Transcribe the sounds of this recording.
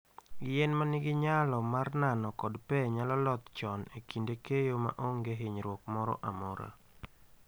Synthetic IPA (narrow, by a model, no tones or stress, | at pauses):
ɡɪɛnmanɪɡɪɲalɔmarnanɔkɔdpɛɲalɔlɔt̪t͡ʃɔnekindekejoma̰ʔoŋɡeɦɪɲɾwɔkmɔɾɔ̰ʔamɔɾa̰